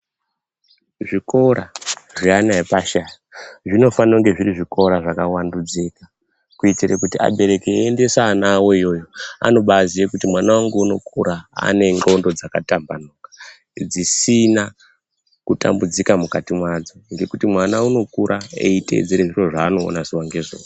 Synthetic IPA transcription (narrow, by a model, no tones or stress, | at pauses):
ʐiko̞ɾaʐianaipaʃajaʐino̞fanoŋɡe̞ʐiriʐiko̞ɾaʐakawandud͡zeːka | kuitirekutia̰ɓe̞ɾe̞keende̞saːnawo̞ijo̞ːjo̞a̰no̞ɓazijekutimwanawaŋɡeuno̞kʰuɾaa̰ne̞ŋɡo̞ndo̞d͡zakatambanokḁ | d͡zisina | kuta̰mbud͡zikamukatimwad͡zo̞ŋɡe̞kutimwanauno̞kuɾʔaḛite̞̰d͡zeɾeʐiro̞ʐaːno̞̰ːnaziwaŋɡe̞ʐo̰a